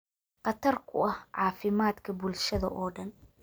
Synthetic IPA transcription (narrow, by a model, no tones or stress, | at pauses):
qɑt̪ʰɐrkʰʊɐhʕɑːfɪmaːd̪kʰɐbʊlʃɐðɐ̰ʔɔːɖɐn